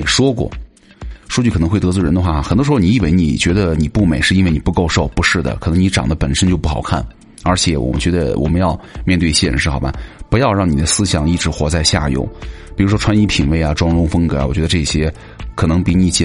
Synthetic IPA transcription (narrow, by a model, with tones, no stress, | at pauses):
ʂwɔ˥kwɔ̰˥˩ | ʂwu˥t͡ɕʰɤ˨˩nɤ˧˥xwe˥˩ɪt̪ɤ˧˥t͡sɹɔ˥˩ə˧˥nd̪xwa˥˩xə˨˩nt̪ɔ˥ʂɻxni˧i˥˩we˧˥ɪnḭ˨˩t͡ɕɥɛ˧˥d̪ə˧ni˨˩pu˥˩me˨˩ɪʂɻ̩˥˩˧i˥ne˩ni˨˩pu˧ko˥˧ʊʂo˥˩ʊpu˧˥ʂɻ̩˥˩d̪ə̰˩kʰɤ˨˩nɤ˧˥ni˧˥ʈ͡ʂɑ˨˩ŋd̪ə˦pə˨˩nʂə˥nt͡ɕjpu˥˩xɑ˨˩ʊkʰa˥˩n | ə˞˧˥t͡ɕʰjɛ˧˥wɔ̰˨˩mə̰˦nt͡ɕɥɛ˧˥d̪ə̰˧wʔɔ̰˨˩mə˦njɑ˥˧ʊmjɛ˥˧nt̪we˥˧ɪi˥˩jɛ˥˧ə̰˧˥nʂɻ̩˥˩xɑ˨˩ʊba̰˦pu˧˥jɑ˥˧ʊɻɑ˥˩ŋni˨˩d̪ə˦sɹ̩˥ɕjɑ˨˩ŋi˥˩ʈ͡ʂɻ̩˧˥xwɔ˧˥t͡sa˥˧ɪɕja̰˥˩jo̰˧˩ʊpi˨˩ɻu˧˥ʂwɔ˥ʈ͡ʂʰwa˥ni˥pʰḭ˨˩nwe˥˩ɪɐ˩ʈ͡ʂwɑ˥ŋɻʊ˥ŋfə˥ŋkɤ̰˧˥˧wɔ˨˩t͡ɕɥɛ˧˥ə˧ʈ͡ʂɤ˥˩ɕjɛ˥ | kʰɤ˨˩nɤ˧˥ŋpi˧˥ni˧˩˥t͡ɕɛ˥˩